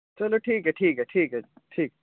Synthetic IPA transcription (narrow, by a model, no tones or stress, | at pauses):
t͡ʃɐloʈʰiːkɦɛʈʰiːkɦɛʈʰiːkɦɛʈʰiːkɛ